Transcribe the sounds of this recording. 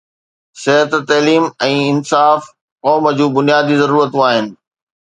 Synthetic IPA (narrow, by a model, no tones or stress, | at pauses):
sɪɦət̪t̪ɐliːmɛ̃ːɪnsaːf | kɔːməd͡ʑũːbʊnijaːd̪izɐɾuːɾət̪ũaːɦɪnɪ̆